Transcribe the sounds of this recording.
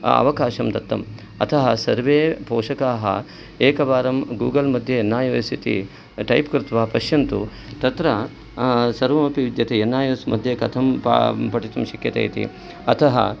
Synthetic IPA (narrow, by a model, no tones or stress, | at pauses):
ɐ̰ʋɐkaːʃɐmd̪ɐt̪ːɐ̰m | ɐ̰t̪ʰɐɦɐsɐɾʋeːpoːʃɐkaːɦɐ̰ | eːkɐʋaːɾɐmɡuːɡɐlmɐd̪ʱjɐjenːaːjɐʋjsit̪ḭ | ʈɐjpkɾɪt̪ʋaːpɐʃjɐnt̪u | t̪ɐt̪ɾɐ | sɐɾʋɐmɐpiʋid̪jɐt̪ʰejenːaːjɐːsmɐd̪ʱjekɐt̪ʰɐmppɐʈit̪ɐmʃɐkjɐt̪ḛːjt̪ḭ | ɐt̪ʰɐɦɐ̰